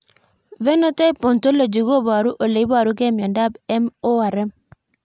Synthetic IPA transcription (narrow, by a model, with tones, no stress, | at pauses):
vɛ˦no˦ta˦i˦po˨nto˦lo˨d͡ʒi˨ɡo˦˨ba˨ɾu˦ʔo˨le˨i˦ba˨ɾu˦kɛ˦mjɔ˨nda˦˨bɛ˦mo˦wa˨ɾɛ˦m